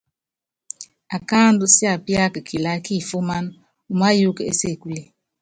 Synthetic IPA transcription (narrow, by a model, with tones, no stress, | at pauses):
a˨ka˦ndu˦sja˨pja˦kkʰi˨la˦ki˦˨fo˦ma˦n | u˨ma˦ju˦kḛ˦se˦˨ku˦le˦